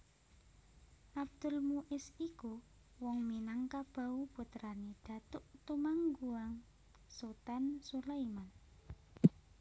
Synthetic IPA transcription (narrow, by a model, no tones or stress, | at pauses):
ʔabd̪̥ʊ̤lmuʔɪsiku | wɔŋminaŋkab̥a̤ub̥ut̪ɾanid̪̥a̤t̪ʊʔt̪umaŋɡuaŋ | sot̪ansulaiman